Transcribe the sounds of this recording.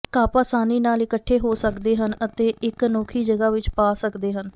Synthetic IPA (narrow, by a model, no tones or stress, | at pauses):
kaːpaːsaːniːnaːlɪkəʈʰːeːɦoːsəkd̪eːɦənət̪eːʔɪknoːkʰiːd͡ʒəɡaːʋɪt͡ʃpaːsəkd̪eːɦən